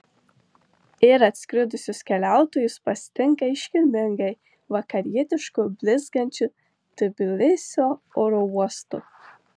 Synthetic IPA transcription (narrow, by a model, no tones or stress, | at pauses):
ɪɾɐt̪ʲsʲkʲɾʲʊd̪ʊsʲʊskʲɛlʲæˑʊt̪oːjʊspɐsʲt̪ʲɪŋkɐɪʃʲkʲɪlʲmʲɪŋɡɐɪ | ʋɐkɐɾʲiɛt̪ʲɪʃkʊbʲlʲɪzɡɐnʲt͡ʃʲʊ | t̪ɐbʲɪlʲɪsʲoːoɾouɔst̪ʊ